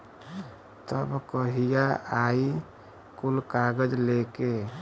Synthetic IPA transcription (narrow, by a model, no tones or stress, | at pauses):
t̪əbkəɦijaai | kulkaɡəd͡ʒleke